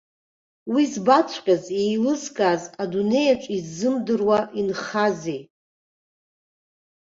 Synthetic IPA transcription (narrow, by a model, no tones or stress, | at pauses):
wizbat͡sʷʰʼqʲʼazejlɨzkʼazadune̞jaʈ͡ʂʷʼizːɨmdɨrwaʔinχazej